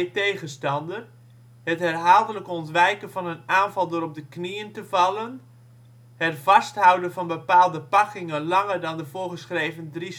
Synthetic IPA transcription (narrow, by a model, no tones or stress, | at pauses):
tejɣənstɑndər | həthɛrɦaːlˠdələkɔntʋɛjkəvɑnənaːnvɑlˠdʊːɾɔb̚dəkniəntəvɑlˠən | hətfɑsthawdənvɑnbəpaːlˠdəpɑkɪŋənlɑŋərdɑndəv̥oːɹɣəsχreːvəndris